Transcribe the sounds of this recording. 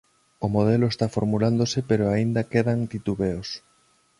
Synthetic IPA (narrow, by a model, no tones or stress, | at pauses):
omoð̞eloest̪afoɾmuland̪osepeɾoaind̪akeðaŋt̪it̪uβeos